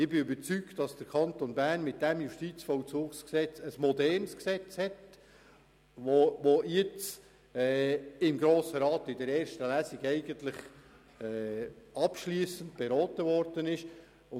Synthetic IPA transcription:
ɪbɪybəɾt͡syktd̥ɑsd̥əɾkʰɑntonbæːrnmɪt̚d̥ɛmjuʃtiːt͡sfɔlt͡suːksksɛt͡səsmɔdɛrnsksɛt͡shɛt | ʋoʋojɛt͡s | ɛːɪmɡɾoːsəɾɑːt̪ɪdəɾɛːɾʃtəlæːsiɡɛɪɡəntlɪχ | ɛːɑpʃliəsəntb̥ɛɾɔːtəvɔɾd̥ənɪʃ | ʊ

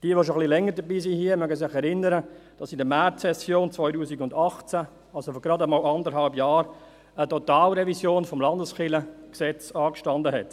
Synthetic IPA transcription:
d̥iəʋoʃoχlilɛŋəɾdəbiːsihiəmœɡəsɪχɛɾɪnəɾəd̥ɑsɪndəmɛtsɛsjoːnt͡sʋɔʏtuːsikʊndɑχt͡sæ | ɑlsofɔɡɾɑdəmɑːlɑndəɾhɑlbjɑːɾ | ətɔtɑːlɾɛvizjoːnfɔmlɑndəsχɪləksɛt͡sɑːkʃtɑndəɦɛt

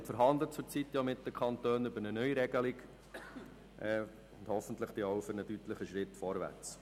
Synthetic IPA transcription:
tfəɾɦɑnd̪lət͡sʊɾt͡sit̪ːjɑmɪt̚dəkʰχɑnt̪øːnʏbəɾnənœʏɾɛɡəliɡ | ʔɛ | ʊnd̥hɔfən̩tləχd̥̪iɔʊfʏɾnədyt̪ləχəʃɾɪt̪ːfɔɾʋæ̰rt͡s

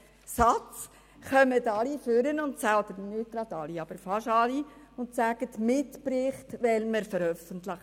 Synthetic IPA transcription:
sɑt͡s | χœmətɑliføɾənʊntsæltənyt̚tɾɑt̪ɑliɑb̥əɾfɑʃɑliʊntsæɡ̥ətmɪtpɾɪχtʋɛlməɾfəɾœfəntlə

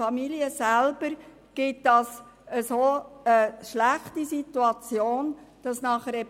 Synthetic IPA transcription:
ɑmiliəsælb̥əɾ | ɡ̥ɪt̚d̥ɑs | əsoːəʃlæχtisituɑt͡sjoːnd̥ɑsnɑχəɾɛ

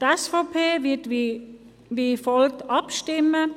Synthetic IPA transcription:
tɛsfopʰeːvɪti | vifɔltɑpʃtɪmə

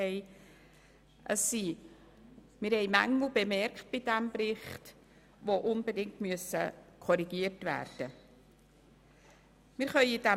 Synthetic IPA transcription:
ɛɪ | ʔəsːi | mɪɾhɛɪmæŋːl̩bemɛɾkt̚b̥ɪd̥ɛmbrɪχt | ʋoʔʊnbedɪŋtmyəsəkʰɔɾiɡ̥iəɾtvæ̰ːɾd̥ə | mɪɾχœʏidɛ

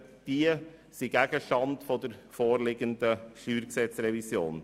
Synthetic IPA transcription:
d̪̥iːə | siɡæɡəʃɑnd̪fɔd̪əɾfoːɾlɪɡənd̪əʃyːɾɡsɛt̪sɾɛʋɪsjo̰ːn

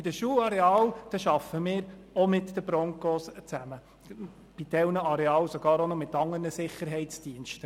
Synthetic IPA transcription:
id̥əʃuːlɑɾeɑːld̥ɑʃɑfəmɪːɾɔmɪtd̥̪əbɾɔŋkost͡sæmə | b̥id̥ɛwnəɑɾeɑːlsoɡ̥ɑːɾonɔmɪt̪ːɑŋːərnəsɪχəɾɦɛɪtt͡sd̥iənʃtə

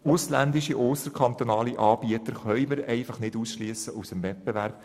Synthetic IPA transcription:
ʊslænd̪iʃiʔoːsəɾkʰɑnt̪onɑːliʔɑːb̥iət̪əɾχœʏməɾɛɪfɑχnɪduːsʃlyəsəʔusəmvɛt̚beʋæɾb̥

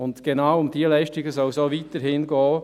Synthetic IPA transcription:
ʊndɡ̥enawʊmd̥iːlɛɪʃtɪɡəsɔlsoːviːtəɾhɪnɡɔː

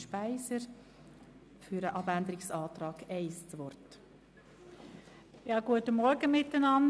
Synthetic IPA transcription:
ʃpæɪsəɾ | fyɾəʔɑbænd̪əɾɪksɑːt̪ɾɑːɡ̥ɛɪst͡sʋɔrt | jɑːɡ̥uətəmɔɾɡəmɪtːənɑn

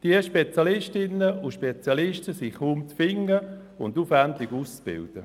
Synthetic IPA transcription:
d̥iəʃpet͡sjɑlɪʃtɪnːəuʃpet͡sjɑlɪʃtəsiχumtfɪŋə | ʊndufɛntɪɡuːst͡sb̥ɪ̰ld̥ə̰

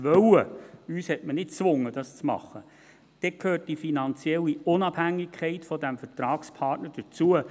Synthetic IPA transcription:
ʋœwəyːshɛtmənɪt̚t͡sʋʊŋːəd̥ɑst͡smɑ̰χːə | d̪̥ɛkʰhøːt̚d̥ifinɑnt͡sjɛlːiʊnɑb̥hæŋːɪkʰχɛɪtfɔd̪æmfətɾɑːkspʰɑtnəɾd̥ət͡suə

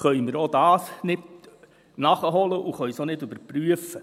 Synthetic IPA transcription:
χœʏmɪɾodɑːsnɪt | nɑχəɦɔləʔuχœjsonɪdʉbəɾpɾyəfə

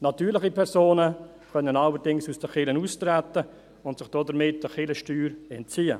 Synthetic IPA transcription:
nɑtyːɾlɪχipʰɛɾsoːnə | kœnːənɑləɾdɪŋsusd̥əχɪlənust̪ɾæt̪ːə | ʊntsɪχd̥ɔːdəɾmɪtːəχɪləʃtyːɾɛnt̚t͡siːə̰

